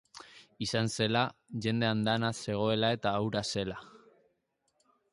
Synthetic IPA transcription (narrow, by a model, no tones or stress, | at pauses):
isanse̞laʝe̞nd̪e̞and̪anase̞ɣ̞o̞e̞lae̞t̪aːwɾase̞la